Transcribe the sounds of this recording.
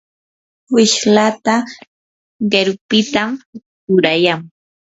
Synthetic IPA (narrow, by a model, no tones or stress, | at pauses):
wɪʃlat̪a | ɢeɾʊpɪt̪am | t͡ʃʊɾajam